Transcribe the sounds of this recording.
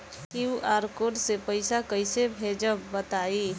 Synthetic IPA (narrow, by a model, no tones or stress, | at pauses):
kiuʔaːɾkoːɾsepəɪsakəɪsebʱeːd͡ʒəbət̪aːi